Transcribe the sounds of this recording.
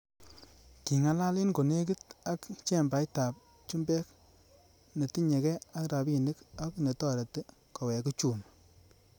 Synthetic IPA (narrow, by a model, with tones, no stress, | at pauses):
ki˨ŋa˦la˦lɪ˦nko˨ne˦k̬i˦t̚a˦kt͡ʃɛ˦˨mba˨jta˨p̚ | t͡ʃu˦mbɛ˦k | ne˨ti˦ɲe˨kɛ˦a˦kɾa˨bi˨nɪ˦ka˦kne˨tɔ˦ɾa˨ti˦ | ka˨wɛ˨ku˦t͡ʃu˨n